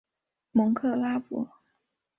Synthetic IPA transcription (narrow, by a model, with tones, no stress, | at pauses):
mʊ˧˥ŋkʰɤ˥˩la˥pwɔ̰˧˥˦